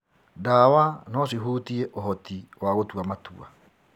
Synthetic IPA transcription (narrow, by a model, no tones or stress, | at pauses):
dawanɔs̬iɦuːtiɛʔoɦɔtʰiwaɣotuamatṵa̰